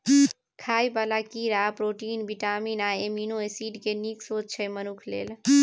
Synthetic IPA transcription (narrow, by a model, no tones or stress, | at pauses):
kʰaːjbalakiɾapɾoːʈiːnbiʈamiːnaeminoesiɖkeniksot͡ʃt͡ʃʰəmənukʰlḛːl